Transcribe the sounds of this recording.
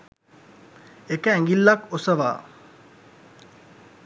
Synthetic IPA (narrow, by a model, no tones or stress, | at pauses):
ekəɛŋɡilːakosəʋa̰ː